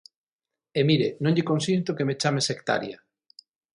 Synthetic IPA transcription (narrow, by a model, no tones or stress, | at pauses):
emiɾenõŋʎekonsint̪okemet͡ʃamesekt̪a̰ɾja